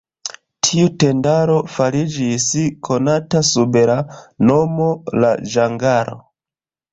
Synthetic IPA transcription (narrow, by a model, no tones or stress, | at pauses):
tʰiute̞ndaɾo̞faɾid͡ʒiskʰo̞natasubeɾanomola̰ʒaŋɡaɾo̰